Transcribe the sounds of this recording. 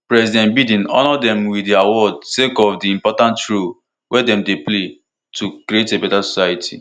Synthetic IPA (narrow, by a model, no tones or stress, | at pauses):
pɹɛsidɛ̃nbidĩnɔ̰nɔdɛ̃mwiiawɔdsekɔfdiĩmpɔtãntɹu | wɛdɛ̃mdeple | tukɾietebɛtasɔ̥sajitʰḭ